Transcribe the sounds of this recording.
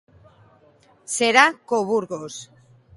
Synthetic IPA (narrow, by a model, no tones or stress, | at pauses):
seɾakoβuɾɣos